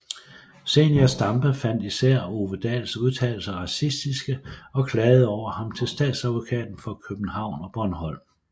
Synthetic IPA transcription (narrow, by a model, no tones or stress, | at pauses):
sḛːnjæsd̥ɑ̈mb̥əfæn̰d̥isæɐ̰o̝ʋəd̥ɛ̰lsuð̞ˠt͡sʰɛ̰ːl̩sɐʁɑ̈sisd̥isɡ̥əɒ̽kʰlɛːð̩ˠɒʊ̰ɐhɑ̈mt͡sʰe̝lsd̥ɛ̰ːd̥sæðˠʋo̝kʰɛ̰ːd̥n̩fɒ̽kʰøb̥n̩hɑ̈ʊ̰nɒ̽b̥ɒnhɒ̽l̰m